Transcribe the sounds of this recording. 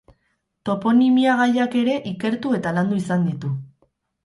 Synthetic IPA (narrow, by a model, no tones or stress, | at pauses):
t̪o̞po̞nimiaɣ̞ajake̞ɾe̞ʔike̞ɾt̪ue̞t̪aland̪uisand̪it̪u